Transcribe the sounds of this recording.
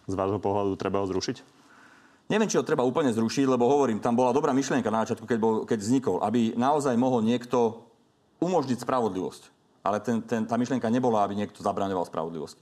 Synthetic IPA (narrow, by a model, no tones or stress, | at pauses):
zʋaːʒɦɔpɔɦlad̪ut̪ɾɛbaɦɔzɾuʃic | ɲɛʋɪɛmt͡ʃiɦɔt̪ɾɛbauːpl̩ɲɛzɾuʃiɟlɛbɔɦɔʋɔɾiːmt̪ambɔlad̪ɔbɾaːmiʃlɪɛŋkanazat͡ʃɪat̪kukɛbɔkɛɟvzɲikɔlʔa̰binaɔzajmɔɦɔlɲɪɛkt̪ɔ | umɔʒɲicspɾaʋɔd̪liʋɔ̰sc | ʔa̰lɛt̪ɛnt̪ɛnt̪aːmiʃlɪɛŋkaɲɛbɔlaabiɲɪɛk̚t̪ɔzabɾaːɲɔʋa̰lspɾʔa̰ʋɔd̪lḭʋɔ̰sci̥